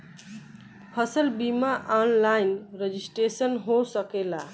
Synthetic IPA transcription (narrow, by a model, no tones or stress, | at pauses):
hʌsəlbimaʔanlajnɾed͡ʒisʈesənɦosəkela